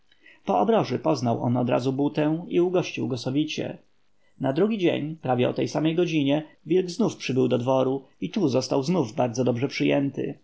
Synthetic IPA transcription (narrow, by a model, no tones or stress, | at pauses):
pɔɔbɾɔʐɘpɔznawʔɔ̰nɔ̰d̪ɾa̰zubut̪ɛw̃iuɡɔɕt͡ɕiwɡɔsɔvʲit͡ɕɛ̰ | nad̪ɾuɡʲid͡ʑḛɲpɾavʲɛɔ̰t̪ɛjsamɛjɡɔd͡ʑiɲɛ | vʲilɡznufpʂɘbɘwd̪ɔd̪vɔɾu | it̪uzɔst̪awznuvbaɾd̪zɔd̪ɔbʐɛpʂɘjɛnt̪ɘ̰